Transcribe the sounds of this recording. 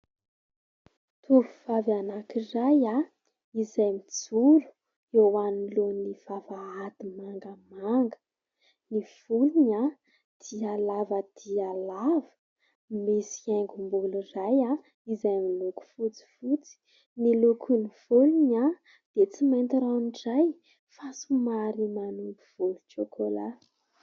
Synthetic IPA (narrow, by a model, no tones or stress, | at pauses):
t̪ʰuɾuvavanakiraja | izajmit͡sulu̥ | ewanilonifavaad̪̥imaŋɡəmaŋɡə̥ | niv̥uliɲa | d̪̥ialavəd̪̥ialavə̥ | misi̥aŋɡumbuluraja | izajmiluku̥fut͡si̥fut͡si̥ | nilukʰuniv̥ulunɲa | d̪̥et͡simajnt̪iɾanɖ͡ʐaj | fasumaɾimanumpuv̥uluʈ͡ʂokʰola